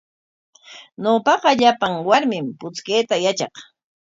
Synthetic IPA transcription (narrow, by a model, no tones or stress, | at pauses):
ɲopɑqɑʎapaŋwaɾmɪmpʊt͡skeːt̪ajat͡ʃɑ̰χ